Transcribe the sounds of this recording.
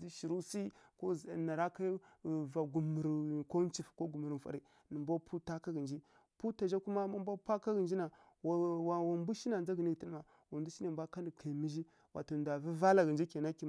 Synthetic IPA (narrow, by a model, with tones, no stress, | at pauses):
i˦ʃi˨ɾu˦si˦ko˦zna˨ɾa˦ka˦va˨ɡu˨mə˨ɾko˦n˦t͡ʃi˨fko˦ɡu˨mə˨ɾfa̰˨ɾi˦ | nə˨mbʷa˦pʰu˦ta˦ka˦ɡə˨nd͡ʒi˦ | pu˦ta˨ʒa˦ku˦ma˦ma˦mbʷa˦pʷa˦ka˦ɡə˨nd͡ʒi˦na˨ | wwa˨wa˨mbu˦ʃi˦na˨nd͡ʒa˦ɡi˨ni˦ɡti˦n˦ma˨ | wu˨ndu˦ʃi˦na˨bʷa˦ka˦ndi˨kʰa˨mi˦ʒi˦ | wa˨to˨n˨da˨vi˦va˦la˨ɡə˨nd͡ʒi˦ka˨na˦ki˨m˨